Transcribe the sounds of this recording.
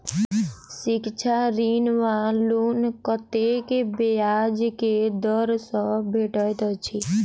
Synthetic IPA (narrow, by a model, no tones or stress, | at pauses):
sɪkt͡ʃʰaɾinʋalunkət̪ekebejad͡ʒked̪ɔɾsɔbʱeʈəjt̪ɔt͡ʃʰi